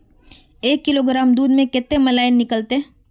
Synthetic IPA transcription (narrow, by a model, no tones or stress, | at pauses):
eːkːɪloɡɾaːmd̪uːd̪mẽkɪt̪ːemɐlaːɪnːɪkəlt̪e